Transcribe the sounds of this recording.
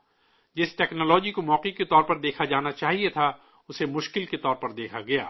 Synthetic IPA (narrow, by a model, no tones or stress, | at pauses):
d͡ʒɪsʈɛːknoːlɔːd͡ʒikomɔːqɪket̪ɔːɾpɐɾd̪eːkʰad͡ʒaːnat͡ʃaːɦiet̪ʰa | ʊsemʊʃkɪlket̪ɔːɾpɐɾd̪eːkʰaɡɐja̰ː